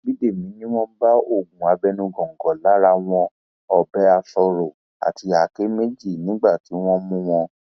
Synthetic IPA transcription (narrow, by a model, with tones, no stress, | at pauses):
bi˦de˦˨mĩ˨˦nĩ˦w̃ɔ̃˦ba˦o˦˨ɡũ˨a˨˧bɛ˧nũ˧ɡɔ̃˨ŋ̩˨ɡɔ˨la˨˦ɾa˧w̃ɔ̃˧ | ɔ˨bɛ˨˦a˧sɔ˧ɾɔ˨ | a̰˨tʰi˧a˨˦ke˦me˦d͡ʒi˦˨nĩ˨˦ɡ͡ba˦˨ti˨˦w̃ɔ̃˦mũ˧w̃ɔ̃˧